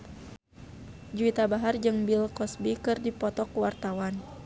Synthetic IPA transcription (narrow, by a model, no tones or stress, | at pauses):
d͡ʒuit̪abaɦard͡ʒɨŋbilkɔsbikɨrdipɔt̪ɔkuwart̪awan